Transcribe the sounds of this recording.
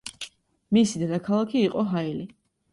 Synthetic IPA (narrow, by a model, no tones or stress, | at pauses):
misid̪ad̪akʰalˠakʰiːqʼɔɦaili